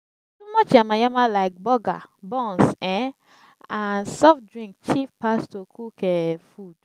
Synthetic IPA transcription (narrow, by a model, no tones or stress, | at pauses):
tumɔt͡ʃãmajamalaɪk̚bɔɡa̰bɔ̃nsɛ̃ | ansɔfdɹĩŋk̚t͡ʃifpastokʰukɛfud̥̚